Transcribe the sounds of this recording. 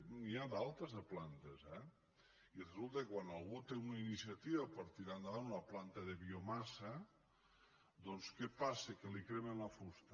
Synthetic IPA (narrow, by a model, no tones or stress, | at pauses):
niad̪alˠt̪əzðəplant̪əzɛ | irezulˠt̪ekkwanalˠɣut̪eunɐinisiɐt̪iβɐpəɾt̪iɾand̪əβanunɐplant̪ɐðeβiomasə | d̪ɔnskepasekelikɾemenlɐfust̪ə